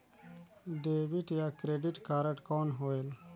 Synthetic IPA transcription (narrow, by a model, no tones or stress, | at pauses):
ɖebiʈjaːkɾeːɖiʈkaːɾəʈkoːnɦoːeːl